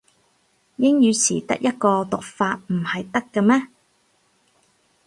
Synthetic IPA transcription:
jɪ˥ŋjyː˨˧sʰḭː˨˩t̪ɐ̰˥k̚jʔɐ˥t̚kɔː˧t̪ʊ˨k̚faː˧t̚m̩˨˩hɐ˨jt̪ɐ˥kːɐ˧mɛː˥

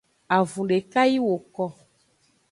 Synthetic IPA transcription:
a˨vũ˨ɖe˨ka˦ji˦wo˨kɔ˦

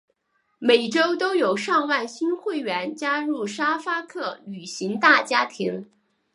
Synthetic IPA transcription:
me˨˩ɪʈ͡ʂo˥ʊt̪o˥ʊjo˨˩ʊʂɑ˥˧ŋwa˥˩nɕi˥nxwe˥˩ɪɥɛ˧˥nt͡ɕja˥ɻu˥˩ʂa˥fa˥kʰɤ˥˩ly˨˩ɕi˧˥ŋt̪a˥˩t͡ɕja˥t̪ʰi˧˥ŋ

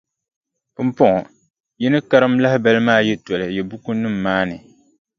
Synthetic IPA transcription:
pɨ˦mpɔ˦ŋɔ˨ | jɛ˦nɨ˦ka˦ɾɨ˦mla˦hɪ˦bɛ˦lɨ˦maː˦jɛ˦tɔ˨lɨ˨jɛ˨bu˦ku˦nɨ˦mːaː˦nɨ˨

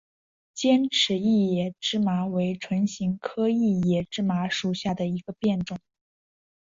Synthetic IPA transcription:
t͡ɕjɛ˥nʈ͡ʂʰɻ̩˧˥i˥˩jɛ˨˩ʈ͡ʂɻ̩˥ma˧˥we˧˥ɪʈ͡ʂʰwə˧˥nɕi˧˥ŋkʰɤ˥i˥˩jɛ˨˩ʈ͡ʂɻ̩˥ma˧˥ʂu˨˩ɕja˥˩d̪ə˩i˧˥ɡə˧pjɛ˥˩nʈ͡ʂʊ˨˩˦ŋ

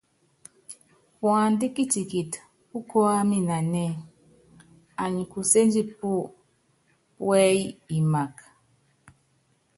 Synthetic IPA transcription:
pwa˨ndi˦ki˦ti˨ki˨t | u˦kɔ˦a˦mi˦na˨nɛ˦ | a˨ɲi˨ku˨se˦nd͡ʒi˦pu˦ | wɛ˦i˦i˨ma˨k

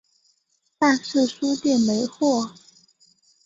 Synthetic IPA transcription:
ta˥˧nʂɹ̩˥˩ʂu˥t̪jɛ˥˩nme˧˥ɪxwɔ˥˩

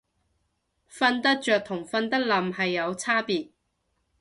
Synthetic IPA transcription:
fɐ˧nt̪ɐ˥k̚t͡ʃœː˨k̚t̪ʰʊ˨˩ŋfɐ˧nt̪ɐ˥k̚lɐ˨mhɐ˨jːɐ˨˧wt͡sʰaː˥piː˨t̚

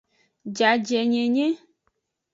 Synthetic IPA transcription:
d͡ʒa˨d͡ʒɛ˨ɲẽ˨ɲẽ˦

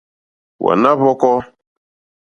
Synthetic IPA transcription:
wʔa̰˨na˦βɔ˦kɔ˦

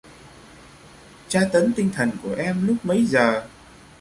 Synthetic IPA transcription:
t͡ɕaː˧t̪ə˨˦nt̪ï˧ŋ̟t̪ʰə˨˩nku˧˩əʔɛ˧mlʊ˦˥k͡p̚mə˨˦jzəː˨˩

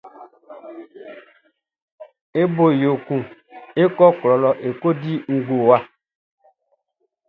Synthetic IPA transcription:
e˦bo˨jo˨kũ˨e˦kɔ˦klɔ˨lɔ˨ʔe˨ko˦di˦ŋ̩˦ɡo˨wa˦˨

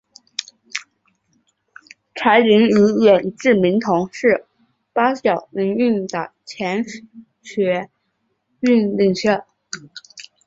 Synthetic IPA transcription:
ʈ͡ʂʰa˧˥ɪli˧˥ŋy˧˥ɥɛ˨˩nʈ͡ʂɻ̩˥˩mi˧˥ŋt̪ʰʊ˧˥ŋʂɻ̩˥˩ | pa˥ɕjɑ˨˩ʊni˧˥ŋy˥˩nt̪ə˨˩t͡ɕʰjɛ˧˥n | ɕɥɛ˧˥ | y˥˧nli˥˧ŋɕɛ˥˩

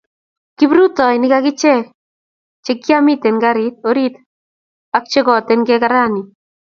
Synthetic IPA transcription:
kibɾu˦tɔ˨jnɪkakɪ˦t͡ʃɛ˦ | t͡ʃe˦kːja˦mi˦te˨nɡaɾi˦t̪̚o˦ɾi˦t | ak̚t͡ʃe˦kɔ˨tɛnkɛ˦kaɾa˦ni˨

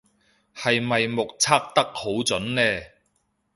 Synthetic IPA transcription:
hɐ˨jmɐ˨jmʊ˨k̚t͡sʰaː˥k̚t̪ɐ˥k̚ho˨˥wt͡sɵ˨˥nlɛː˥

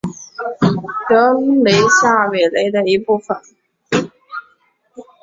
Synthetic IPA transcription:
tɤ˧˥le˧˥ɪɕja˥˩we˨˩ɪle˧˥ɪd̪ə˧i˧˥pu˥˩fə˨˩n

